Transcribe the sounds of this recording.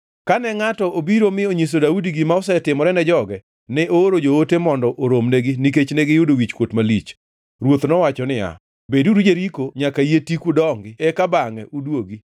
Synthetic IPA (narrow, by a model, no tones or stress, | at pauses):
kanɛŋatɔʔobiɾomɪoɲis̬odaudiɡimaɔsɛtɪmɔɾɛnɛd͡ʒɔɡɛ | nɛʔooɾod͡ʒootemɔndɔʔoɾomneɡɪnik̬et͡ʃneɡɪjʊdowit͡ʃkwotmalit͡ʃ | ɾwot̪nɔwat͡ʃɔnɪja̰ | beduɾud͡ʒeɾikoɲakaietikudɔŋɡɪɛkabaŋɛʔudwoɡi